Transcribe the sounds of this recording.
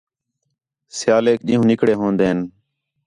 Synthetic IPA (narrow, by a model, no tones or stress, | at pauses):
sjaːleːk̚ɗĩːɦũːnɪkɽeːɦõːnd̪eːn